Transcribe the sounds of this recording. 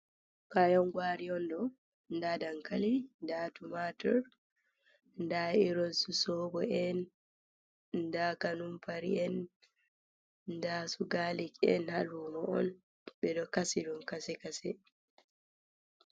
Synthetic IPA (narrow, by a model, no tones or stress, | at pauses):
kajɔŋɡwaɾiɔndɔ | ndadaŋkalindatumatɔɾ | ndaiɾɔnsusɔbɔɛn | ndakanumpaɾiɛn | ndasuɡalikɛ̰nhalumɔɔ̰n | ɓɛɗɔkasidɔnkasɛkasɛ